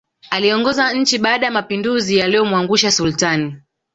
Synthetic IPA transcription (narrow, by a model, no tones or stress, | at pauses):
aliɔŋɡɔzaɲ̩t͡ʃiɓaːɗajamapinduzijalɛɔmwaŋɡuʃasultani